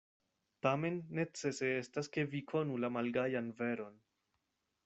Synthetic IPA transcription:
tame̞nːe̞t͡se̞se̞e̞staske̞vikʰo̞nulamalɡajanve̞ɾo̞n

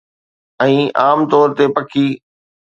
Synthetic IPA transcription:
ɛ̃ːaːmt̪ɔːɾt̪epɐkʰiː

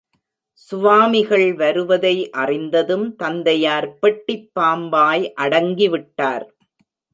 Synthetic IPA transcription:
sʊʋaːmɪɣɐɭʋɐɾɯʋɐðɐɪʔɐrɪnd̪ɐðɯmt̪ɐnd̪ɐjaːɾpɛʈːɪpːaːmbaːjʔɐɽɐŋɡiʋɪʈːaːɾ

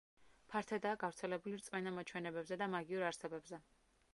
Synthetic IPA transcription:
pʰaɾt̪ʰɛd̪aːɡavɾt̪sʰɛlɛbuliɾt̪sʼmɛnamat͡ʃʰwɛnɛbɛbzɛd̪amaɡiuɾaɾsɛbɛbzɛ

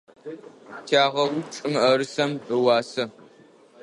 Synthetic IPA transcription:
tʰaːʁɐwʊʈ͡ʂʼɨmɐɾɨsɐmɨwɑːsɐ

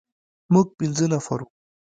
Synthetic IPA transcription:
muɡ̚pinzənɐfɐ̰ɾu

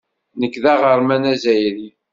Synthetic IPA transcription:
nəkːðæʁəɾˤmænæzæjɾi

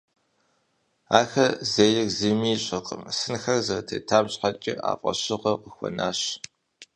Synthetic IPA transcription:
aːxɐzeːlɪkzimiːɕʼɐqʼə̰msɨnxɐrzɐrtʰḛːtʰaːmɕħat͡ʃʼɪa̰ːpʼɐ̰ɕɪqɐqəxʷɔ̰naːɕ

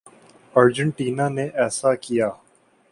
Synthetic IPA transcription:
ɐːɾd͡ʒə̃ɳʈiːnaneʔɛːsakijaː

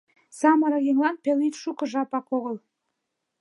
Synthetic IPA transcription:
sɑmɑɾɑjeŋlˠɑnpʲelʲit̪ʃukɤ̆ʒɑpɑkoʁə̆lˠ

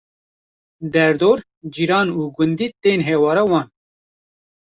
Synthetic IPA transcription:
d̪ɛɾd̪oːɾ | d͡ʒiːɾɑːnuːɡʊnd̪iːt̪eːnɦɛːwɑːɾawɑːn

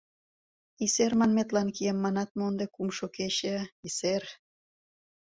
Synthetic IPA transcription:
isermɑnmet̪lɑnkiemːɑnɑt̪̚mond̪ekumʃokeɕeiser

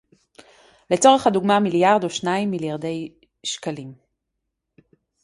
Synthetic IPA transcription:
le̞t͡so̞ʁeχhaduɡmamiljaʁdoʃnaimːiljaʁd̪e̞j | ʃkalim

